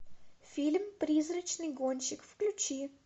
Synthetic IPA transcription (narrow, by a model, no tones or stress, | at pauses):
fʲilʲmpɾʲizɾət͡ɕnɨjɡonʲɕɪkfklʲʉt͡ɕi